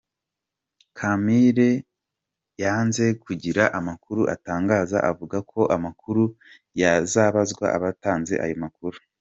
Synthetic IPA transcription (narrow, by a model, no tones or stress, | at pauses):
kʰamiɾe | jaːnze̞kuɟiɾaʔamakuɾuʔa̰taːŋɡaːza̰ʔavuɡakʰo̞ʔamakuɾu | jazaːβazɡwa̰ʔa̰βataːnze̞̰ʔa̰jomakuɾu